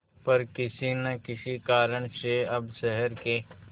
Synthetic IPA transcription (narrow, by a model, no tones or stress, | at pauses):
pɐɾkɪsinɐkɪsikaːɾəɽ̃seɐbʃɛɦɛɾke